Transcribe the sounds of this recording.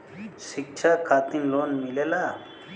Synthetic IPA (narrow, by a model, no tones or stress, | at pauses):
ʃik̚t͡ʃʰakʰaːt̪inloːnmilelaː